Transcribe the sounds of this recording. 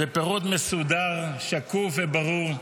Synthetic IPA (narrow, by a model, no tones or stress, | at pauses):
bepeʁot̪mesud̪aʁʃakuvebaʁuʁ